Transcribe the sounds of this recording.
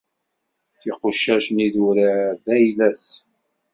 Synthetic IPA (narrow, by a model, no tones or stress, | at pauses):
θiqʊʃːæʃniðuɾaðæjlæs